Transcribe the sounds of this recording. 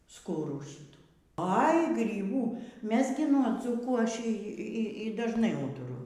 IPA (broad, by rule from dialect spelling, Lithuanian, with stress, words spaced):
ˈskʊruː ˈʃʲiːtuː ɐɪ ɡrʲiːˈbuː ˈmʲɛs ɡʲɪ nuɔ ˈd͡zuːkuː ɐʃ ˈiː ˈiː dɐʒˈnɐɪ ˈuːtʊrʊ